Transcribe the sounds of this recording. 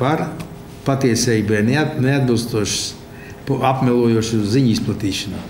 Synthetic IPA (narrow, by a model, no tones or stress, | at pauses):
paɾ | pat̪iɛsʲɛːjibɛnnead̪̚bɨlˠst̪uɔʃs | papmʲɛlˠuɔjuɔʃuziɲisplˠat̪iːʃanu